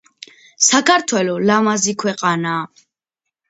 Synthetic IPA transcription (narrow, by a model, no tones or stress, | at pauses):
sakʰaɾt̪ʰwɛlɔlamazikʰwɛqʼana